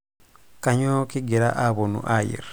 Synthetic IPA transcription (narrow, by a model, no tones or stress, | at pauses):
kaɲokiɡiɾaʔaβonṵʔajḭɾ